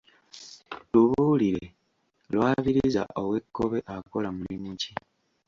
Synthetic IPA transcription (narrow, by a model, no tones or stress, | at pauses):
luβuːliɾe | lwaːβiɾiiza̰ʔo̞we̞kʰːo̞βe̞ʔako̞lamulimuci